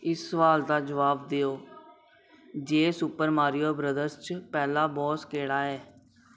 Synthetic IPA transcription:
ɪsːəʋaːld̪aːd͡ʒəʋaːbd̪eːoː | d͡ʒeːsʊpəɾmaːɾɪjoːbɾəd̪əɾst͡ʃpɛːlaːbɔːskeːɽaːɛː

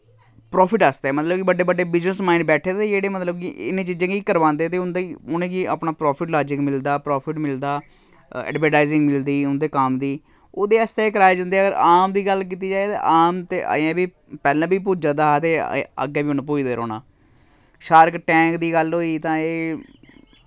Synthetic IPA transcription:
pɾɔːpʰɪʈəst̪eɛːmət̪ləbkɪbəɖeːbəɖeːbɪznəsmaːɪɳɖbɛːʈʰeːt̪eːd͡ʒeːɽeːmət̪ləb̚kiʔɪ̰nːẽːt͡ʃiːd͡ʒãːkiiːkəɾʋãːnd̪eːt̪eːʊnd̪aiʊnẽːɡiːa̰ːpnaːpɾɔːpʰɪʈlaːd͡ʒɪkmɪld̪aːpɾɔːpʰɪʈmɪld̪aː | ɛ̰ːɖʋəɾʈaːizɪ̃ŋɡmɪld̪iːʊnd̪eːkəmd̪iː | oːd̪eːəst̪eːeːkəɾaːjd͡ʒãnd̪eːəɡəɾaːmd̪iːɡəlk̬iːt̪iːd͡ʒaːet̪ḛːʔaːmt̪eːʔa̰ːãːbiː | pɛːlãːbiːp̬uːd͡ʒãːd̪aːt̪eːə̰ɡẽːbiːʊnpuːd͡ʒd̪eːɾo̰ːna̰ː | ʃaːɾəkʈɛ̃ːkd̪iːɡəlɦoːiːt̪ãːeː

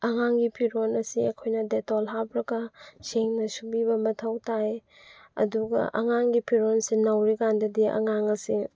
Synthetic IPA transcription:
ɐŋaŋɡipʰiɾonɐsiekʰojnɐdetɔlɦabɾɐɡɐseŋnɐsubibɐmɐtʰɐwtaj | ɐ̰duɡɐ̰ʔɐ̰ŋaŋɡipʰiɾonsinɐwɾikandɐdiɐ̰ŋaŋɐsi

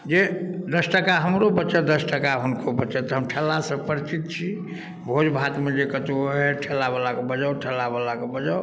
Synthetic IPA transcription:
d͡ʒed̪əsʈəkaɦəmɾobəːt͡ʃəd̪əsʈəkaɦunkʰobəːt͡ʃət̪ɔɦəmʈʰɛlːasə̃pəɾt͡ʃit̪̚t͡ʃʰi | bʱod͡ʒbʱat̪med͡ʒekət̪oɦɛʈʰɛlːabəlakebəd͡ʒəwʈʰəlːabəlakebəd͡ʒəw

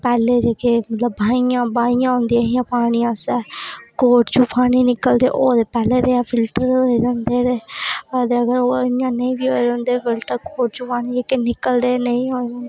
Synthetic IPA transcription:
pɛːleːd͡ʒeːkeːmət̪ləbːʱaːijãːbaːijãːɦõːnd̪iãɪjãːpaːɽ̃iːãːsɛːkoːʈt͡ʃupʰaːñiːnɪkəld̪eːʔoːd̪eːpɛːleːd̪eːaːfʰɪlʈəɾoːiɾənd̪eːd̪eːəd̪eːəɡəɾoːɪjãːnəĩːbiːɦoːeɾõːnd̪eːfɪlʈəkoːʈ̚t͡ʃʊpaːniːd͡ʒeːkenɪkəld̪eːnəĩːɦoːɾõːnd̪eː

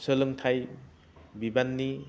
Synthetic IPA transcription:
səlɯŋtʰaj | bibanːi

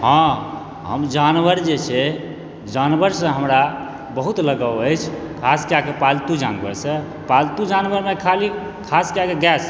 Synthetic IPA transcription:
ɦɔ̃ | ɦə̰md͡ʒanʋəɾd͡ʒet͡ʃʰɛ | d͡ʒanbəɾsə̃ɦəmɾa | bəɦut̪ləɡəwəjt͡ʃʰ | kʰaskijakepalt̪ud͡ʒanbə̰ɾsə̃ | palt̪ud͡ʒanbəɾmekʰali | kʰaskjakeɡɛs

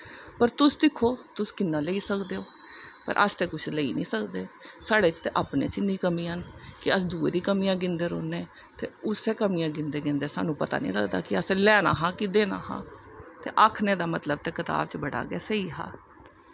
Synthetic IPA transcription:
pəɾt̪ʊsd̪ɪkʰːoːt̪ʊskɪnːaːleiːsəkd̪eːoːpə̰ɾʔə̰st̪eːkʊt͡ʃʰləḭːnḭ̃ːsəkd̪eːsaːɽeːt͡ʃt̪eːʔaːpnḛːt͡ʃɪniːkəmĩːɦənkɪəsd̪uːeːd̪iːkəmiːjãːɡɪnd̪eːɾoːneː | t̪ḛːʊseːkəmiːjãːɡɪnd̪eːɡɪnd̪eːsa̰ːnũːpət̪a̰ːnḭ̃ːd̪əːd̪a̰ːkɪəsɛ̃ːlɛːna̰ːɦãːkɪd̪eːna̰ːhã̰ːt̪ḛːʔaːkʰneːd̪aːmət̪ləb̚t̪eːkɪt̪a̰ːbt͡ʃbəɽa̰ːɡɛːsəiːɦa̰ː

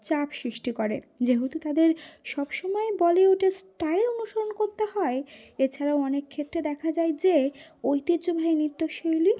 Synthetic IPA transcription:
t͡ɕapsɾiʃʈikoɾḛd͡ʑeɦut̪ut̪ad̪eɾʃɔbʃɔmɔebɔleoʈasʈajlonuʃoɾonkoɾt̪eɦɔeet͡ɕʰaɾaoɔnekʰːet̪ːɾed̪ɛkʰad͡ʑaed͡ʑeojt̪id̪d͡ʑobʱaenit̪ːoʃojli

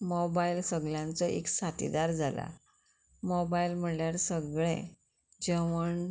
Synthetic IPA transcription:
mɔbailsəɡljãnt͡sɔʔeksat̪ḭd̪aɾd͡zʱala̰ | mɔbailm̤əljaɾsəɡɭḛ̃ | d͡ʑəʋəɳ

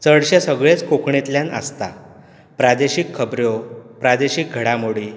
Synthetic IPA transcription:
t͡səɽɕesəɡɭet͡skokɳet̪ljanə̰st̪a | pɾad̪eɕikʰːəbɾjopɾad̪eɕik̚ɡʱəɽamoɽiː

